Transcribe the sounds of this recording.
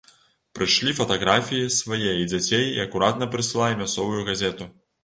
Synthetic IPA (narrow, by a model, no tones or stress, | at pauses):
pɾɨʂlʲifɐt̪aɣɾafʲijisvajɛid͡zʲat͡sʲejiɐkuɾat̪nɐpɾɨsɨlˠajɛmʲasɔvujuɣazʲɛt̪u